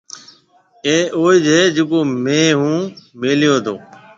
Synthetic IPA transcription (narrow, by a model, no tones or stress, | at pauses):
eːoːiːd͡ʒeːd͡ʒekoːmẽːɦũːmeːlɪjoːd̪ʰoː